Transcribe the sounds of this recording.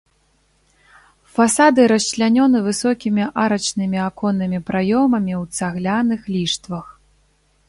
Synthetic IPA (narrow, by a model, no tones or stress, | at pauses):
fasad̪ɨɾɐɕt͡ʃlʲanʲɔnɨvɨsɔkʲimʲiʔaɾɐt͡ʂnɨmʲiakɔnːɨmʲipɾajɔmɐmʲiwt̪saɣlʲanɨxlʲiʂt̪vɐx